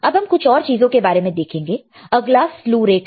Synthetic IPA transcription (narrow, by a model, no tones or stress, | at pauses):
ɐbɦɐmkʊt͡ʃʰɔːɾt͡ʃiːzõkebaːɾemẽd̪eːkʰẽːŋɡeː | ɐɡlasluːɾeːʈ